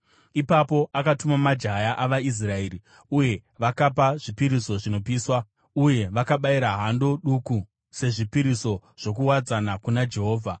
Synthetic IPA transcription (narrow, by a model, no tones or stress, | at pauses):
ipapo̞ʔakatumamad͡ʒajaʔaʋais̬rae̞ri | uje̞ʋakap̬aʐipiɾiso̞ʐino̞piːswa | uje̞ʋakaɓaiɾaɦando̞ɗuku | se̞ʐipiɾiso̞ʐ̥o̞k̬uwad͡zanakunad͡ʒe̞ɦoːvʱa